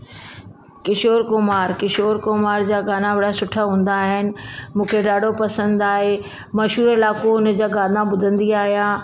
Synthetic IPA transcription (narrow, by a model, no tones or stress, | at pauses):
kɪʃoːɾkʊmaːɾkɪʃoːɾkomaːɾd͡ʑaːɡʱaːnaʋɐɽasʊʈʰaɦũːn̆d̪aːɦɪnɪ̆mũːkʰeɖaːɖʱopɐsə̃nd̪aːɦe | mɐʃɦuːɾɪlaːkoʊnə̆d͡ʑaːɡaːd̪ãbʊd̪ʱə̃nd̪iaːɦijaː